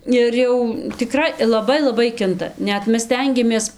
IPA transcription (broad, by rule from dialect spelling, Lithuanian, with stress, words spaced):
ɪr ˈjɛʊ tʲɪˈkrɐɪ lˠɐˈbɐɪ lˠɐˈbɐɪ ˈkʲɪntɐ ˈnʲɛt ˈmʲɛs ˈsʲtʲɛŋʲɡʲɛmʲeːs